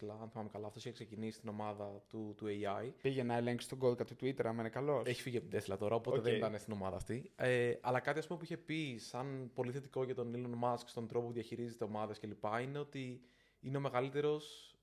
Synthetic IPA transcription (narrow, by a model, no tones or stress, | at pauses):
lɐɐnθemɐmekɐlɐːft̪osiçeksecinisi̥st̪ino̞mɐðɐt̪ut̪ueɐjpiʝenɐeleŋksi̥t̪oɡo̞ðkɐt̪ut̪uit̪eɾɐmɐinekɐlo̞seçi̥fiʝiɐpt̪d̪eslɐt̪o̞ɾɐo̞poeðenit̪ɐnest̪ino̞mɐðɐːft̪ieʔɐ̰lɐkɐt̪iɐspumeuiçe̞pisɐnpo̞liθe̞t̪i̥ko̞ʝɐt̪o̞nilonmɐskst̪o̞nd̪ɾo̞popuðiɐçiɾizit̪e̞o̞mɐðesce̞lipɐine̞o̞t̪i | ine̞o̞me̞ɣɐlit̪e̞ɾo̞s